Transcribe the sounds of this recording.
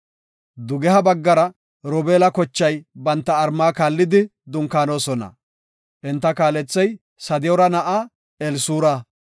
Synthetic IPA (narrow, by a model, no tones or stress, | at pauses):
d̪ʊɡɛhɐbɐɡːɐɾɐ | ɾɔbeːlɐkɔt͡ʃːɐjbɐnt̪ːɐːɾmaːkaːlːɪd̪ɪd̪ʊŋkaːno̞ːsɔnɐ̰ | ʔɛnt̪ːɐkaːlɛt͡sːɛj | sɐd̪ɪjɔɾɐnɐʔaː | ɛlsuːɾa